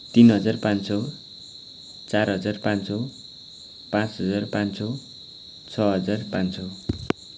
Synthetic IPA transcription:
t̪inɦʌd͡zarpãnt͡sʰo | t͡sarɦʌd͡zarpãnt͡sʰo | pãt͡sɦʌd͡zarpãnt͡sʰo | t͡sʰʌɦʌd͡zarpãnt͡sʰo

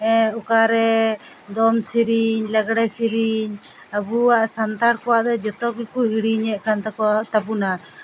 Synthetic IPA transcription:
ɛɔkaɾɛ | d̪ɔmsiɾiɲlaɡɽasiɾiɲ | abuwaʔsant̪aɾkɔwaʔd̪ɛd͡ʒɔt̪ɔkikuɦiɽiɲɛʔkant̪ɛkɔwaʔʔt̪apuna

